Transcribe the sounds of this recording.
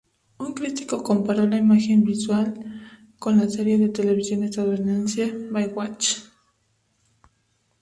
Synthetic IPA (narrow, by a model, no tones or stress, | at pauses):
uŋkɾit̪ikokompaɾolaimaxembiswal | konlaseɾjeðet̪eleβisjonest̪aðeɾnansjabajwat͡ʃ